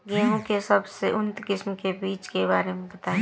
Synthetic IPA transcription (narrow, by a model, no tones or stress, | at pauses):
ɡeːɦõkesɐbseʔʊnt̪kɪsmkebiːt͡ʃkebaːɾemẽbɐt̪aː